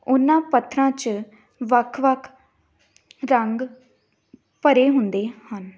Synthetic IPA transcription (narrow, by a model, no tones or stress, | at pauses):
ʊnːãːpət̪ʰːɾãːt͡ʃ | ʋəkʰʋəkʰ | ɾəŋɡ | pəɾeːɦʊnd̪eːhən